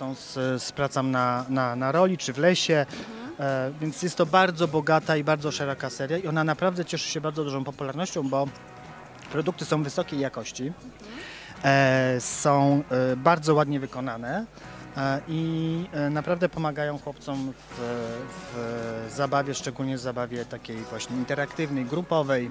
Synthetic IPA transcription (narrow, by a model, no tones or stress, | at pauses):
sɔ̃w̃sspɾat̪samnananaɾɔlʲit͡ʂɘvlɛɕɛ | vʲjɛnt̪sjɛst̪ːɔbaɾd̪zɔbɔɡat̪aibaɾd̪zɔʂɛɾɔkasɛɾʲjaiɔnanapɾavd̪ɛt͡ɕɛʂɘ̥ɕɛbaɾd̪zɔd̪uʐɔ̃w̃pɔpulaɾnɔɕt͡ɕɔ̃w̃bɔ | pɾɔd̪ukt̪ɘ̥sɔ̃w̃vɘsɔkʲejjakɔɕt͡ɕi | sɔ̃w̃baɾd̪zɔwad̪ɲɛvɘkɔnanɛ | ʔinapɾavd̪ɛpɔmaɡajɔ̃w̃xwɔpt̪sɔmv̥vzabavʲjɛʂt͡ʂɛɡulɲɛvzabavʲjɛt̪akʲejvwaɕɲɛint̪ɛɾakt̪ɘvnɛjɡɾupɔvɛj